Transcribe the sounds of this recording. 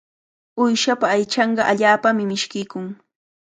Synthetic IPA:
ʊjʃapaːjt͡ʃɑɴɢɑʔaʎaːpamɪmɪʃkɪjkʊŋ

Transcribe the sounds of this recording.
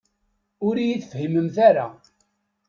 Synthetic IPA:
ʊɾjiθfhiməmθaɾa̰

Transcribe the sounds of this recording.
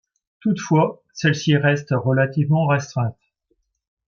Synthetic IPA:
t̪ut̪fwa | sɛlsiʁɛst̪ʁəlat̪ivmɑ̃ʁɛst̪χɛ̃t̪

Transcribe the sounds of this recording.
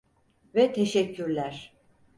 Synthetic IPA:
vɛt̪ʰeʃɛcʰːyɾlʲæɾ̥

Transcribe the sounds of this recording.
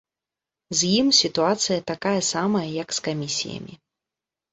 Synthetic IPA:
zʲjimsʲit̪uat̪sɨjɐt̪akajɐsamɐjɐjɐkskamʲisʲḭjɐ̰mʲḭ

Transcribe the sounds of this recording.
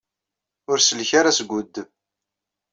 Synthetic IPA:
ʊɾsəlçaɾasɡʷud̪ː

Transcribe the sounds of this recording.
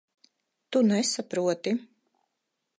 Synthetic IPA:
t̪unɛsapɾuɔt̪i

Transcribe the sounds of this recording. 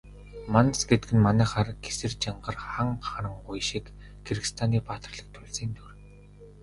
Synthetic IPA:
mansɡet̪ɘɡɘ̆nmanæːχaːrɡe̥sɘ̆rt͡ɕaɴɢə̆rχaŋχaɾə̆ŋɢʊjʃikː | erɣ̆st̪ʰaniːpaːt̪ə̆rɮə̆k̚t̪ʰʊɮsiːnt̪ʰur

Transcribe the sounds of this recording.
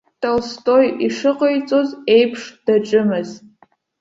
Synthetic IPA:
tʰʼalstʼo̞jiʂɨqʼəjt͡sʼo̞ze̞jpʰʂd̥aʈ͡ʂʼɨmɨz̥

